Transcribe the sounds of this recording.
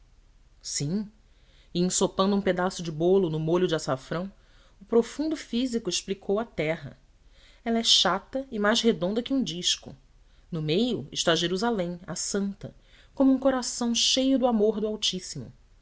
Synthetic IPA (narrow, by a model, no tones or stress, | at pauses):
sĩ | ɪẽsopɐ̃d̪ũped̪asʊd͡ʒɪbolʊnʊmoʎʊd͡ʒɪasafɾɐ̃w̃ | ʊpɾofũnd̪ʊfizikʊɪʃplikʰowɐt̪ɛɦɐ̰ | ɛlɐɛʃat̪ɐɪmajzɦed̪õnd̪ɐkɪũd͡ʒiʃkʊ̰ | nʊmejʊɪ̰ʃt̪aʒeɾuzalẽj̃asɐ̃nt̪ɐ | kõmʊũkoɾasɐ̃w̃ʃejʊd̪ʊamoɾd̪ʊawt͡ʃisimʊ̰